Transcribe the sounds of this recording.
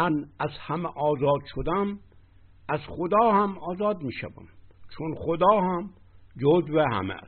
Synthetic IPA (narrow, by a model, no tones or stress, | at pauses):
ænæzhæmeʔɒːzɒːd̪ʃod̪æm | æzχod̪ɒːhæmɒːzɒːd̪miːʃæ̰væ̰mt͡ʃʰonχod̪ɒːhæm | d͡ʒod̪veɦæ̰mḛs